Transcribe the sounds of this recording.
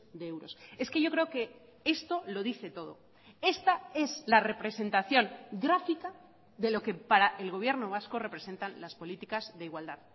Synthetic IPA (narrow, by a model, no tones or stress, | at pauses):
d̪eewɾo̞se̞ske̞ʝo̞kɾe̞oke̞ | est̪o̞lo̞ðiθe̞t̪o̞ðo̞̰ | e̞st̪ae̞zlare̞pɾe̞se̞nt̪aθjo̞ŋɡɾafika | ðe̞lo̞ke̞paɾaʔe̞lɣ̞o̞β̞je̞ɾno̞β̞asko̞re̞pɾese̞nt̪anlaspo̞lit̪ikazðeiɣwald̪að